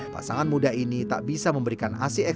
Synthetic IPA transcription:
pa̰saŋanmudainit̪a̰ʔbisaməmbəɾikana̰sɪɛ

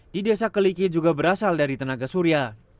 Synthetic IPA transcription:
didesakəlikid͡ʒuɡabəɾasaldaɾit̪ənaɡasuɾia

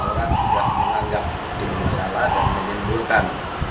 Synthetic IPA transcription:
oɾaŋd͡ʒuɡahməŋaŋɡap̚ | d̥əŋisaladanməɲimbulkan

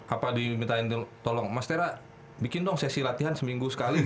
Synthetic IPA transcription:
ʔapadimit̪aɪnt̪ɔlɔŋmast̪eɾa | bikɪndɔŋsɛsilat̪iɦansəmiŋɡusə̥kali

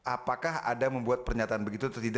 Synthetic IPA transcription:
ʔapakaɦa̰daməmbuat̪̚pərɲat̪aːnbəɡit̪ut̪t̪id

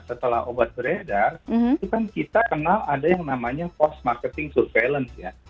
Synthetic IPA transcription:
sət̪əlahobat̪̚bɾedarit̪ukankit̪akənaladajaŋnamaɲapɔst̪̚markət̪ɪŋsurfelənsja

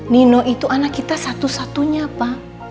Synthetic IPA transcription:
ninɔʔit̪uʔanakːit̪asat̪usat̪uɲapa

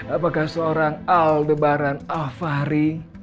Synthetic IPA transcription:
apakahsəoɾaŋaldəbaɾanalfaɾi

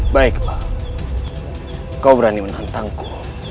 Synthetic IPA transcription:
baika | kabɾanimənhant̪aŋko

